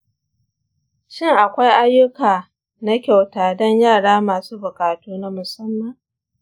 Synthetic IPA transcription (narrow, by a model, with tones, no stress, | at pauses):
ʃɪ˦ŋʔa˨kʷa˦jʔa˦jːʊ˦kaː˨ | na˦kʲa˨wtaː˨dɔ˦ɲjaː˦˨ɽaː˦maː˨suː˦bʊ˨kaː˨tuː˦na˦mʊ˨sɐ˦mːɐ˨